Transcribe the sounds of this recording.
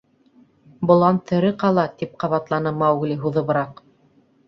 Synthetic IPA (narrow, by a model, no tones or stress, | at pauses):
bŏlˠɑnt̪ɘ̆ɾɘqɑlˠɑt̪ip̚qɑβɑt̪lˠɑnɤmɑwɣliɦuðɤ̆βɤ̆ɾɑq